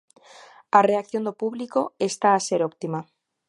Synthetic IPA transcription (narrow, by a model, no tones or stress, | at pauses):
areak̚θjond̪opuβlikoest̪aːseɾopt̪ima